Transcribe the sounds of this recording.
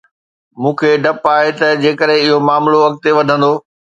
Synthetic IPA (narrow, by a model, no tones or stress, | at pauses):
mũːkʰeɖɐpaːɦet̪ɐd͡ʑeːkəɾɦẽɪɦomaːmloʋɐk̚t̪eʋɐd̪ʱə̃nd̪oː